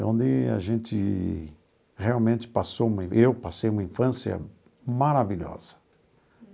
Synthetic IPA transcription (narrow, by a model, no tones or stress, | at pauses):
õnd̪ɪa̰ʒẽnt̪ɪ | heawmẽnt̪ɪ̥pasoũmɐĩʔewpasejũmɐĩfɐ̃sjɐ̰ | maɾaviʎɔ̰z̥ɐ̥